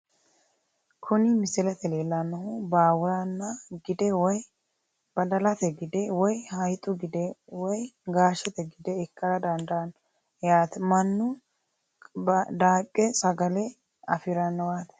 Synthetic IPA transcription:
kʰʊnɪmɪsɪlɛt̪ɛleːlːɐnːɐhʊbaːwʊɾanːɐɡɪd̪ɛwɔj | b̥ɐd̪ɐlɐt̪ɛɡɪd̪ɛwɔjhɐjt̪ʼʊɡɪd̪ɛwɔjɡaːʃɛt̪ɛɡɪd̪ɛɪkːɐɾɐd̪ɐnd̪ɐɐn | jaːt̪ɛmɐnːʊ | d̪aːkʼːɛsʼɐɡɐlɛ | ɐfɪɾɐnːɔwaːt̪ɛ̥

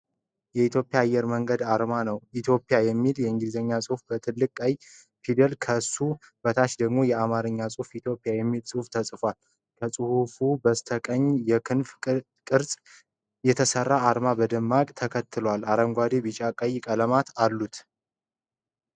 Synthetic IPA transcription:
jɛit̪ʰjo̞pʼijaːjːɛɾməŋɡəd̪aɾmanəwit̪ʰjo̞pʼjajɛmːiljɛɨŋɡizəɲːasʼuhfbət̪ʰɨlːɨkʼaj | fʰid̪ɛlkʰəsub̥ət̪ʰat͡ʃd̪əɡmo̞jɛamaɾɨɲːasʼufit̪ʰjo̞pʼijajɛmːilsʼɨhuft̪ʰəsʼfal | kʰəsʼɨhufubəst̪ʰəkʼəɲːjɛkʰɨnf | kʼɨɾsʼ | jɛt̪ʰəsərːaːɾmabəd̪ɨmːakʼt̪ʰəkʰət̪ːɨlwalaɾəŋɡʷad̪ibɨt͡ʃʼakʼəjkʼələmat̪ʰalːut̪

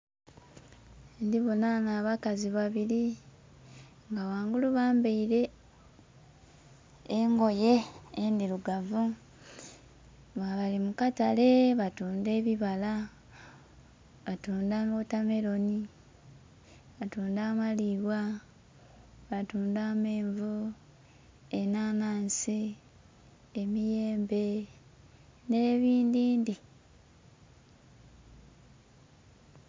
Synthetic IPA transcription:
ndiβonanaβakaziβaβiɾi | ŋɡawaːŋɡuluβaːmbeiɾe̞ | ŋɡo̞je̞ːndiɾuɡavu | βaβalimukatale̞βatuːnde̞ːβiβala | βatuːndaːmotame̞lo̞ni | βatuːndaːmaliβwa | βatuːndaːmeːɱvu | enaːnaːnsi | emije̞ːmbe̞ | ne̞ːβiːndiːndi

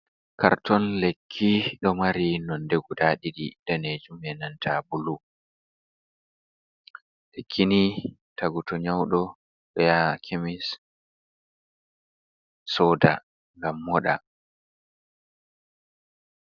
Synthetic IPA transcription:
ka̰ɾtʰɔnlekʰːiɗɔmaɾinɔndeɡudaɗiɗḭd̥aned͡ʒumɛnantʰabulu | lekʰːini | taɡutɔɲawɗɔ | ɓɛjakʰemis | sɔda̰ | ŋɡamːɔɗa̰

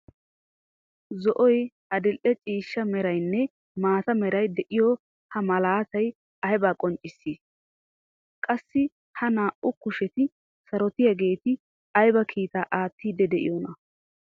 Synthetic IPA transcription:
zɔʔɔj | ɐd̪ɪlʔɛt͡ʃʼiːʃːɐmɛɾɐjnːɛ | maːt̪ɐmɛɾɐjd̪ɛʔɪjɔ | hɐmɐlaːt̪ɐj | ɐhɛbaːkʼɔnt͡ʃʼːɪsːiːs | kʼɐsːɪ | hɐnaːʔʊkʊʃɛt̪ɪ | sɐɾɔt̪ɪjɐɡe̞ːt̪ɪ | ɐjbɐkʰiːt̪aːʔaːt̪ːiːd̪ɛd̪ɛʔɪ̰jɔnɐ

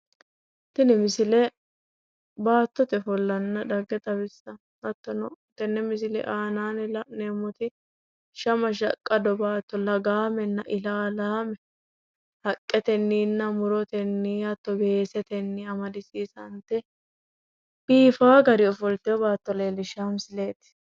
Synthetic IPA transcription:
t̪ɪnɪmɪsɪlɛ | baːt̪ːɔt̪ɛfɔlːɐnːɐd̪ɐɡːɛt̪ʼɐbɪsːɐ | ɐt̪ːɔnɔt̪ɛnːɛmɪs̬ɪlɛ̰ʔaːnaːnɛlɐʔneːmːɔt̪ɪ | ʃɐmɐʃ̬ɐkʼːɐd̪ɔbaːt̪ːɔlɐɡaːmɛnːɐʔɪlaːlaːmɛ | hɐkʼːɛt̪ɛnːiːnːɐmʊɾɔt̪ɛnːiɐt̪ːɔbe̞ːsɛt̪ɛnːɪɐmɐd̪ɪsiːsɐnt̪ɛ | b̥iːfaːɡɐɾɪɔfɔlt̪ɛɔbaːt̪ːɔleːlːɪʃaːmɪsɪle̞ːt̪ɪ̥

